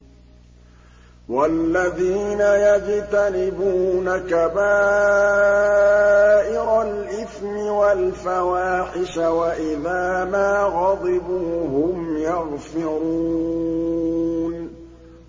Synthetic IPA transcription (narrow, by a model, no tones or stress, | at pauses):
walːaðiːnajad͡ʒt̪anɪbuːnakabaː | ʔɪɾalʔɪθmɪwalfawaːħɪʃawaʔɪðaːmaːɣɑd̪ˤɪbuːɦʊmjɑɣfɪɾuː | n